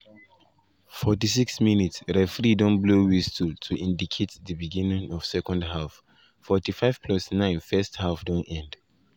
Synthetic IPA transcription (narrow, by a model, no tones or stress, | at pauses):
fɔt̬isiksminitsɹɛfɹidɔ̃nblowistultʰuʔĩndikʰetðəbiɡĩnĩŋɔv̥sɛkɔ̃ndɦaf | fɔtifaɪv̥pʰlɔsnãɪ̃nfɛsthafdɔ̃nɛ̃nd